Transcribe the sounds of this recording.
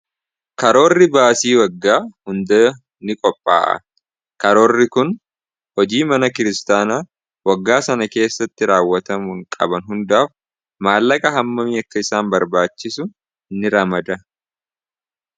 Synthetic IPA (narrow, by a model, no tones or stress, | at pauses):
kɐɾo̞ːrːɪbaːsiːwɐɡːaːhʊnd̪ɐ | nɪkʼɔpʼːa̰ːʔɐ̰ | kɐɾo̞ːrːɪkʊn | hɔd͡ʒiːmɐnɐkɪɾɪst̪aːnaː | wɐɡːaːsɐnɐke̞ːsːɐt̪ːɪɾaːwːɐt̪ɐmʊŋkʼɐbɐnɦʊnd̪aːf | maːlːɐkʼɐɦɐmːɐmiːɐkːɐɪsaːmbɐɾbaːt͡ʃːɪsʊ | nɪɾɐmɐd̪ɐ